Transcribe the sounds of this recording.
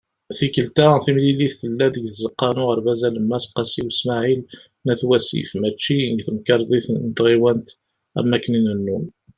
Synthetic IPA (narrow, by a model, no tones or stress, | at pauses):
θikəlt̪aθimliliθːəlːæd̪əɡθəzəqːɑnʊʁəɾvæzæləmːæsqːɑsiwəsmaʕil | næθwæsḭfmæt͡ʃːiɡθəmkɑɾˤðˤiθnət̪ʁiwænt̪ | æ̰mːækːəninənːum